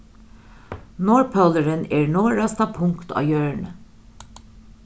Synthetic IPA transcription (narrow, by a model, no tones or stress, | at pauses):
nɔɹpʰoləɹəneːɹnoːɹɑst̪ɑpʰʊŋkt̪ʰɑ̰ːjøːɹɳə